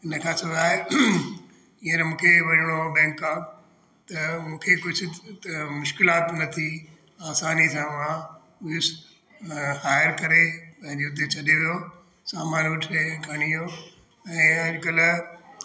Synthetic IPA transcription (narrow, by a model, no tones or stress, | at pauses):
ɪnəkʰãːsɐd̪ʱaːe | iːənmũːkʰeʋɐɾɽ̃obɛ̃ːŋkːaː | t̪ɐmũːkʰekʊd͡ʑʱʊmʊʃkɪlaːt̪nɐt̪ʰi | aːsaːnisãʊã | ʊʊs | haːɪəɾkɐɾepɐ̃ɦɪ̃ɲd͡ʑeʊt̪̬et͡ɕʰɐɗeʋijo | saːmaːɾuʈʰeɡʱɐɽ̃ijo | ɛ̃ːɐʄkəl